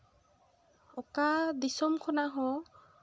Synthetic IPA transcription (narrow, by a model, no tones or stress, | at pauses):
ɔkad̪isɔmkʰɔnaɦɔ̃